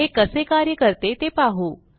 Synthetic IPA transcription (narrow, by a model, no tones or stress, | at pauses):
ekəsekaɾjəkəɾt̪et̪epaɦu